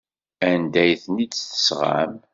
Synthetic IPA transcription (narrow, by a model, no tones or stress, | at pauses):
ænd̪æjθnidθə̥sʁa̰m